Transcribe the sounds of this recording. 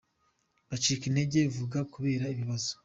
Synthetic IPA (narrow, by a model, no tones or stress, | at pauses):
βat͡ʃiːkine̞ɟe̞ivuɡakuβe̞ːɾaiβiβazo̥